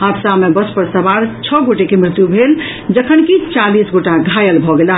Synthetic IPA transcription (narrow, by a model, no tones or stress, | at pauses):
ɦapsamebəspəɾsəbaɾt͡ʃʰɔɡoʈekemɾɪt̪jubʱel | d͡ʒəkʰənkit͡ʃalisɡoʈaɡʱajəlbʱɔɡela